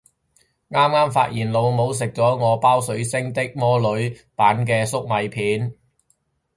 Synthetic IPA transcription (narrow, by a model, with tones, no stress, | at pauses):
ŋaː˥mŋaː˥mfaː˧t̚jiː˨˩nlo˨˧wmo˨˧ws̬ɪ˨k̚t͡sɔː˨˥ŋɔː˨˧paː˥wsɵ˨˥ɥsɪ˥ŋt̪ɪ˥k̚mɔː˥lɵ˨˥ɥpaː˨˥nkɛː˧sʊ˥k̚mɐ˨˧jpʰiː˨˥n